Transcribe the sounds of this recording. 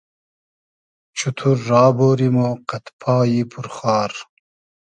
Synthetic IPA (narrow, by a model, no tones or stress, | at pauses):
t͡ɕʰut̪ʰuɾːɑːboːɾimoqɐt̪pʰɑːjipʰuɾχɑːɾ